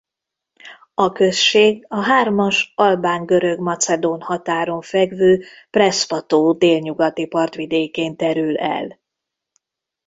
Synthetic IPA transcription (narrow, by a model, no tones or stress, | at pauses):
ɒkø̞sʃeːɡɒɦaːrmɒʃɒlbaːŋɡø̞ɾø̞ɡmɒt̪sɛd̪oːnhɒt̪aːɾo̞ɱfɛɡvøː | prɛsfɒt̪oːd̪eːlɲuɡɒt̪ipɒrt̪ʋid̪eːkeːnt̪ɛɾylɛ̰l